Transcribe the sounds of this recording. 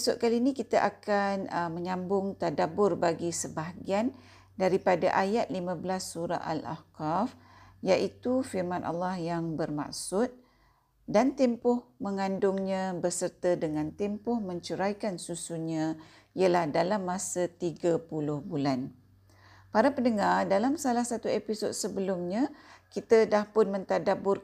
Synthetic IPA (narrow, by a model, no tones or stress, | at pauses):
sʊʔ̪̚kaliːnĩkit̪aʔakanəməɲãmbʊŋt̪adabʊrbaɡisəbaɦɡian | daɾipadaʔajat̪̚limãblasːuɾa̰ʔa̰la̰hkaf | jaʔit̪ufirmãnʔa̰lːahjaŋbərma̰k̚sʊt̪̚ | dant̪ɛmpʊhmə̃ŋandʊŋɲãbərsərt̪ədəŋãnt̪ɛmpʊhmə̃ɲt͡ʃəɾajkansusuɲã | iəlahdalamːasət̪iɡapulʊhbulan | paɾapəndəŋardalamsalahsat̪uepisod̚səbəlʊmɲãkit̪ədahpʊnmə̃nt̪adabʊr